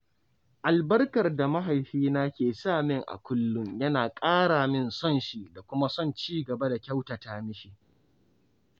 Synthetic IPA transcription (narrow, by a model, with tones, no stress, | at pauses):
ʔa˨lbɐ˦rkɐ˨rda˨ma˦ɦa˨jɸiː˦naː˦kʲeː˨saː˦˨mɪ˦ŋʔa̰˨kʷʊ˦lːʊ˦mjɐ˦naː˨kʼaː˦ɽaː˨mɪ˦˨nsɔ˦˨nʃi˦da˨kʷʊ˦ma˦sɔ˦˨nt͡ʃiː˦ɡɐ˨ba˦da˨kʲɐ˦wta˨taː˦mɪ˦ʃiː˨